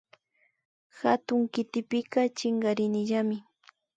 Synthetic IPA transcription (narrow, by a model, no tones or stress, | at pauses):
xa̰t̪ʊŋkɪt̪ɪpɪkat͡ʃɪŋɡaɾɪnɪʒamɪ